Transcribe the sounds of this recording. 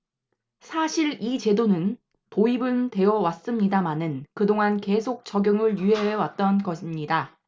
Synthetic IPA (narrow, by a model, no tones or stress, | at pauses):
sʰaɕʰiɾit͡ɕe̞donɯn | toibɯnte̞jʌwas͈ɯmɲidamanɯnkɯdoŋanke̞sʰok̚t͡ɕ͈ʌɡjʌŋɯɭjyɦe̞ɦewat̚t͈ʌnɡʌɕʰimɲida